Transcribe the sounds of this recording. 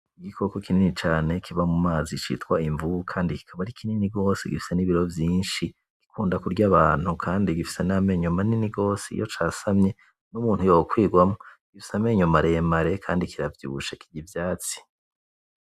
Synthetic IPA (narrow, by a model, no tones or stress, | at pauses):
iɡikʰo̞ko̞kininit͡ʃaːne̞kʰiβamumaːzit͡ʃḭtkwaiɱvukʰaːndiki̥kʰaβaɾikʰininiɡo̞ːseɡifi̥se̞niβiɾo̞vjiːnʃi | ɡ̥i̥kʰuːndakuɾɟaβaːn̥hukʰaːndiɡifi̥se̞name̞ːɲumaniniɡo̞ːseḭjot͡ʃasamɲe̞ | numuːn̥hujookwiːɡwamo | ɡ̥ifi̥same̞ɲumaɾe̞maɾe̞kʰaːndikiɾavjṵβṵʃekiɟivjaːt͡si̥